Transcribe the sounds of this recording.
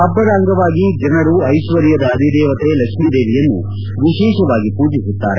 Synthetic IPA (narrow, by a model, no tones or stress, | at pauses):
ɐbːɐɾaːŋɡɐʋaːɡid͡ʒɐnɐɾuɐjʃʋɐɾjɐd̪ɐːd̪ʱid̪ɛːʋɐt̪elɐkmid̪eːʋijɐnːṵ | ʋiʃɛːʃɐʋaːɡipuːd͡ʒisut̪ːa̰ːɾe